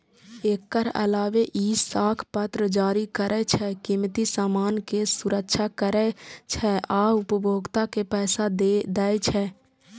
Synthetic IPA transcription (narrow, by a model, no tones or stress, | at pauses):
eːkkəɾə̰laːʋeʔiːsaːkʰpət̪ɾəd͡ʒaːɾikəɾʔɛt͡ʃʰɛkimt̪isaːmaːnkesʊɾəkʃʰakəɾɛt͡ʃʰɛʔaːʊpəbʱoːɡt̪akepɛːsad̪d̪ɛːet͡ʃʰɛː